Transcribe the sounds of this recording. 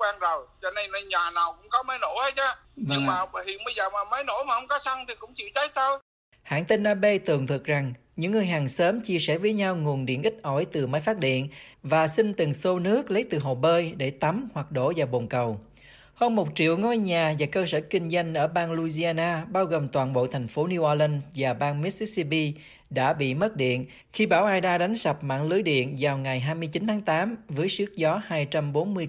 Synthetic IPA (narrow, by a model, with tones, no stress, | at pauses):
kwaː˧nzo˨˩jt͡ɕɔ˧ne˧jnə˧jɲaː˨˩naː˨˩wkʊ̰˧˥ŋ͡mkɔ˨˦mə˨˦jno̰˧˥˨hə˨˦t͡ɕaː˨˧ | ɨ˧ŋmaː˨˩˨hḭ˧˨ənɓə˧jzəː˨˩maː˨˩mə˨˦jno̰˧˥maː˨˩hə˧wŋ͡mkɔ˨˦sa˧ŋt̪ʰi˨˩kʊ̰˧˥ŋ͡mt͡ɕḭ˧˨əwt͡ɕə˨˦j̚t̪ə˧w | ha̰ː˧˨nt̪e˧nʔaː˧ɓe˧t̪ɨ˨˩əŋt̪ʰɨ˨˩k̚za˨˩ŋ | ɲɨ̰˧˥ŋːɨ˨˩əjɦaː˨˩ŋsəː˨˦mt͡ɕi˧əsɛ̰˧˩vəː˨˦jɲa˧wŋu˨˩ənɗḭ˧˨ənʔï˦˥t̚ʔɔ˧˩jt̪ɨ˨˩mə˨˦jfaː˦˥t̚ɗḭ˧˨ənvaː˨˩sï˧ŋ̟t̪ɨ˨˩ŋso˧nɨ˦˥ək̚lə˨˦jt̪ɨ˨˩ɦo̰˧˨˩ɓəː˧jɗe˧˩t̪a˨˦mhwa˨˩k̚ɗo̰˧˥vaː˨˩wɓo˨˩nkə˨˩w | həː˧nmo˨˩t̚t͡ɕḭ˧˨əwŋo˧jɲaː˨˩vaː˨˩kəː˧səː˧˩kï˧ŋ̟za˧jŋ̟ʔəː˧˩ɓaː˧nlu˧zi˧aː˧naː˧ɓaː˧wɣo˨˩mt̪waː˨˩nɓo̰˧˨t̪ʰɛ˨˩jŋ̟fo˨˦ni˧wʔaː˧lə˧nvaː˨˩ɓaː˧nmi˦˥t̚si˧˥si˧pi˧ | ɗa̰ː˧˥ɓḭ˧˨mə˦˥t̚ɗḭ˧˨ən | xi˧ɓaː˧˩wʔaː˧jɗaː˧ɗa˨˦ŋ̟sa˨˩p̚ma̰ː˧˨nlɨ˨˦jɗḭ˧˨ənzaː˨˩wŋa˨˩jɦaː˧jmɨ˧əjt͡ɕi˨˦nt̪ʰːŋt̪aː˨˦mvəː˨˦jsɨ˦˥ək̚zɔ˨˦haː˧jt͡ɕa˧mɓo˨˦nmɨ˧əj